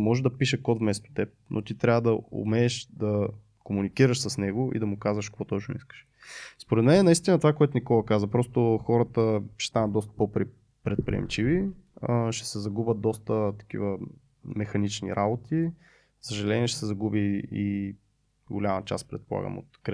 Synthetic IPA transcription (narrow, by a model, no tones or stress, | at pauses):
mɔʒɛd̪ɐpiʃəkɔt̪vmɛst̪o̥t̪ɛp̚nʔo̰t̪it̪ɾʲavəd̪ɐʊ̰mɛːʃd̪ɐ | komunikiɾəʃsəsnɛɡʊʔḭd̪ɐmʊkazvəʃkkvɔt̪ɔt͡ʃnoʊ̰iskə̥ʃ | spoɾɛt̪mɛnɛnɐist̪ʲinət̪ovakoɛt̪ʊnikɔlˠɐkazvɐpɾɔst̪oxɔɾət̪əʃɛ̥st̪anɐt̪d̪ɔst̪ə̥popɾi | pɾɛt̪̚pɾʲḭɛ̰mt͡ʃiviəʃɛ̥sɛzɐɡubət̪̚d̪ɔst̪ət̪ɐ̥kḭvə | mɛxɐnit͡ʃnḭɾʔabot̪ʰi | səʒɐlɛnʲiɛʃɛ̥sɛzɐɡubii | ɡolʲamɐt͡ʃa̰spɾɛ̰t̪̚polˠa̰ɡə̰mo̰t̪kɾ